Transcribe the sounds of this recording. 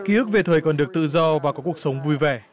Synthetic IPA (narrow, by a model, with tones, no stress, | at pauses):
ki˨˦ʔɨ˦˥k̚ve˨˩t̪ʰəː˨˩jkɔ˨˩nɗɨ˨˩ək̚t̪ɨ̰˧˨zɔ˧vaː˨˩kɔ˨˦ku˧˩ək̚sə˨˦wŋ͡mvu˧jvɛ˧˩